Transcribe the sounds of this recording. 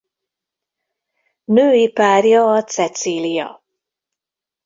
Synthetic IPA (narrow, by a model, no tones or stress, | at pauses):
nøːipaːrjɒːt̪sɛt̪siːlijɒ̰